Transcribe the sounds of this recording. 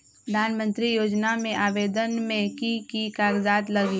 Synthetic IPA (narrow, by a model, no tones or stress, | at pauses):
pɾəd̪ʱaːnmə̃nt̪ɾijoːd͡ʒnamẽʔaːʋeːd̪ənmẽkikikaːɡd͡ʒaːt̪lɐɡi